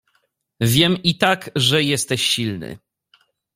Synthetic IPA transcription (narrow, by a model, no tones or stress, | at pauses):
vʲjɛmit̪akʐɛjɛst̪ɛɕːilnɘ̰